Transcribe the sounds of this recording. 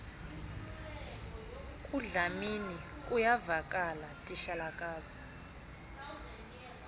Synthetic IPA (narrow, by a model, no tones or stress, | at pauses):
kʼuɮamini | kʼujavakʼalatʼiʃalakʼaːzi̥